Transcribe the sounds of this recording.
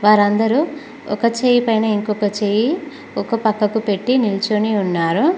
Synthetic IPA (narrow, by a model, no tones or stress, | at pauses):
ʋaːɾɐnd̪ɐɾu | ɔkɐt͡ʃeːjipɐjnɐiŋkɔːkɐt͡ʃeːji | ɔkɐpɐkːɐkupe̞ʈːinilt͡ʃuniunːaːɾu